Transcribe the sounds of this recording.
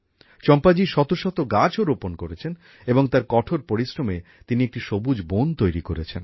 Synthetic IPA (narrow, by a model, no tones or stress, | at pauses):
t͡ɕɔmpad͡ʑiʃɔt̪oʃɔt̪oɡad͡ʑʰoɾoponkoɾet͡ɕʰen | eboŋt̪aɾkɔʈʰoɾpoɾisɾomet̪iniek̚ʈiʃobud͡ʑbont̪ojɾikoɾet͡ɕʰen